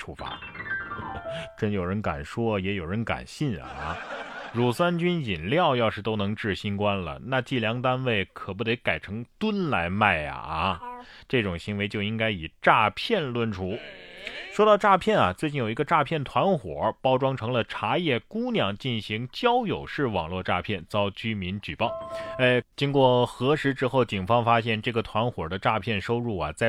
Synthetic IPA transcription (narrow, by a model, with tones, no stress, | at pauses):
ʈ͡ʂʰu˥˧fa̰˧˥ | ʈ͡ʂə˥njo˨˩ʊɻə˧˥nka̰˨˩nʂwɔ˥jɛ˧˥jo˨˩ʊɻə˧˥nka̰˨˩nɕi˥˩nɐ̰˩˧˩ɻu˧˥swa˥nt͡ɕy˥ni˨˩nljɑ˥˧ʊjɑ˥˧ʊʂɻ̩˥˩t̪o˥ʊnɤ˧˥ŋʈ͡ʂɻ̩˥˩ɕi˥nkwa˥nlə̰˩na˥˧t͡ɕi˥˩ljɑ˧˥ŋt̪a˥nwe˥˩ɪkʰɤ˨˩pu˧˥d̪e˧˥ɪka˨˩ɪʈ͡ʂʰɤ˧˥ŋt̪wə˥nla˧˥ɪma˥˩ɪɐ̰˨˩ʈ͡ʂɤ˥˩ʈ͡ʂʊ˨˩ŋɕi˧˥nwe˧˥ɪt͡ɕjo˥˧ʊi˥ŋka˥ɪi˨˩ʈ͡ʂa˥˧pʰjɛ˥˩nlwə˥˩nʈ͡ʂʰu˧˥ | ʂwɔ˥ɾɑ˥˧ʊʈ͡ʂa˥˧pʰjɛ˥˩nɐ˩t͡swe˥˧ɪt͡ɕi˥˩njo˨˩ʊi˧˥ɡə˧ʈ͡ʂa˥˧pʰjɛ˥˩nt̪ʰwa˧˥nxwɔ̰˨˩˥pɑ˥ʊʈ͡ʂwɑ˥ŋʈ͡ʂʰɤ˧˥ŋlə˧ʈ͡ʂʰa˧˥jɛ˥˩ku˥njɑ˥˩ŋt͡ɕi˥˩nɕi˧˥ŋt͡ɕjɑ˥ʊjo˨˩ʊʂɻ̩˥˩wɑ̰˨˩ŋlwɔ˥˧ʈ͡ʂa̰˥˧pʰjɛ˥˩nt͡sɑ˥ʊt͡ɕy˥mi˧˥nt͡ɕy˨˩pɑ˥˩ʊe˥˩t͡ɕi˥ŋkwɔ˥˩xɤ˧˥ʂɻ̩˧˥ʈ͡ʂɻ̩˥xo˥˩ʊt͡ɕi˨˩ŋfɑ˥ŋfa˥ɕjɛ˥˧nʈ͡ʂɤ˥˩ɡə˩t̪ʰwa˧˥nxwɔ˨˩d̪ə˦ʈ͡ʂa˥˧pʰjɛ˥˩nʂo˥ʊɻu˥˩ɐ̰˩t͡sa˥˩